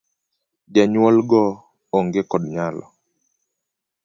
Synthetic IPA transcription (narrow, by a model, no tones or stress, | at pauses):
d͡ʒaɲwɔlɡɔ | ɔŋɡekɔdɲalɔ̰